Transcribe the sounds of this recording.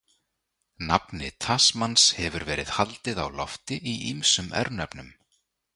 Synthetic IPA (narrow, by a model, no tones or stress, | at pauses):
napnɪ̰t̪ʰasmanshɛvʏɾvɛːɾɪðhalt̪ɪða̰wlɔft̪ɪʔiʔimsʏmʔɛ̰ɾnɛpnʏm